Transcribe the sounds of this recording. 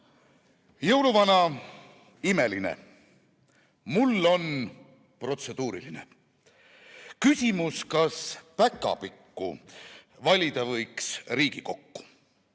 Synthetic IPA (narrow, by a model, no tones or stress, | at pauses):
jɤwluvɑnɑ | ime̞linḛ | mulːo̞n | pro̞t̪se̞d̪̥uːɾḭlinḛ | kysʲimuskɑspækːˑɑ̰pikːṵ | vɑlʲid̪̥ɑvɤjksriːɡ̥iko̞kːu̥